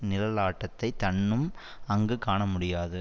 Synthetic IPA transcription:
nɪlɐlaːʈːɐt̪ːɐɪt̪ːɐɳːɯm | ɐŋɡɯkaːɳɐmʊɽɪjaːðɯ

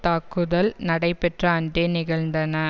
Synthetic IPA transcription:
t̪aːkːɯðɐlnɐɽɐɪpɛʈrɐːnd̪eːnɪɣɐɭnd̪ɐnɐ

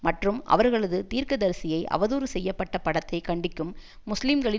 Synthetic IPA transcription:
mɐʈrɯmʔɐ̰ʋɐɾɣɐɭɐðɯt̪iːɾkɯðɐɾsɪjɐɪʔɐ̰ʋɐðuːɾɯsɛjːɐpːɐʈːɐpɐɽɐt̪ːɐɪkɐɳɖɪkːɯmːʊslɪmɡɐɭɪ

